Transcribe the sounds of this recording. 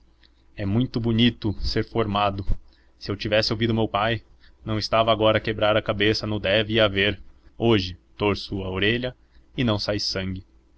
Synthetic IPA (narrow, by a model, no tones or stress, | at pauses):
ɛmũj̃t̪ʊbunit̪ʊseɾfoɾmad̪ʊ | sɪewt͡ʃivɛsɪowvid̪ʊmewpaj | nɐ̃w̃ɪst̪avɐaːɡɔɾɐkebɾaɾɐkabesɐnʊd̪ɛvɪiaveɾoʒɪt̪oɾsʊɐoɾeʎɐ | ɪnɐ̃w̃sajsɐ̃ŋɡɪ